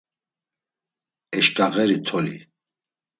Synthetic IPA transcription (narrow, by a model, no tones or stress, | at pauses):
ɛʃkʼaɣɛɾit̪ʰɔlḭ